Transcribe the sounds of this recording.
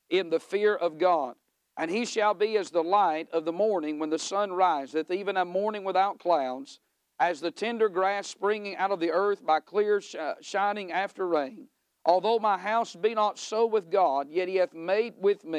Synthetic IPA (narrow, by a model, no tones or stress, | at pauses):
ɪ̃nðɨfɪɹʔʌvɡɑd | ʔɨ̃niʃɨlˠbiɨzðəlaɪɾʌvðəmɔɹnɪ̃ŋwə̃nðɨsʌ̃nɹaɪzɨθivɨ̃nəmɔɹnɪ̃ŋwəθaʊt̚kʰl̥aʊdz̥ | ɨzðɨtʰɛ̃ndə˞ɡɹæspɹɪ̃ŋɪ̃ŋaʊɾʌvðiɜ˞θb̥aɪkʰl̥ɪɹʃãɪ̃nɪ̃ŋæftə˞ɹẽɪ̃n | ʔɔlˠðoʊmaɪɦaʊsbinətsoʊwɨðɡɑd̚jɛt̚hiɨθmeɪd̚wɪðmi